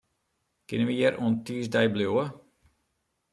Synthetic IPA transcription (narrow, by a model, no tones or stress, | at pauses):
kɪnənʋəjɛɾʔuəntiəsdɛjbljoə